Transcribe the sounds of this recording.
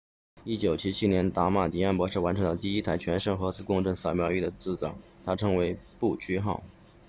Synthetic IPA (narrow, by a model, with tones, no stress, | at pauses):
i˥t͡ɕjo˨˩ʊt͡ɕʰi˥t͡ɕʰi˥njɛ˧˥nt̪a˧˥ma˨˩t̪i˨˩a˥˩npwɔ˧˥ʂɻ̩˥˩wa˧˥nʈ͡ʂʰɤ˧˥ŋd̪ə˧t̪i˥˧i˥t̪ʰa˧˥ɪt͡ɕʰɥɛ˧˥nʂɤ˥˩ŋxɤ˧˥t͡sʰɹ̩˧˥kʊ˥˧ŋʈ͡ʂɤ˥˩ŋsɑ˨˧˩ʊmjɑ˥ʊi˥˩d̪ə˩t͡sɹ̩˥˩t͡sɑ̰˨˩˦ŋt̪ʰa˥ʈ͡ʂʰɤ˧˥ŋwe˧˥ɪpu˥˩t͡ɕʰy˥xɑ̰˥˩ʊ